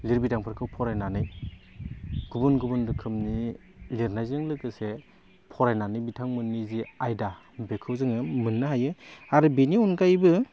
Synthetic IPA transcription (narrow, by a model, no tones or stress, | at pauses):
liɾbidaŋpʰaɾkʰɯwpʰɔɾajnanɯj | ɡ̥ubunɡubundɯkʰɯmni | liɾnajzɯŋlɯkɯse | pʰɔɾajnanɯjbitʰaŋmɯnːiziajda | bekʰɯwzɯŋɯmɯnːɯɦajɯaɾɯbiniunkajbɯ